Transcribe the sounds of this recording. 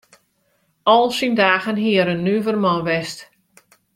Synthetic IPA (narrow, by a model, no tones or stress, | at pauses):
ɔlˠsindaːɣənɦiəɾənːyvərmɔʋɛst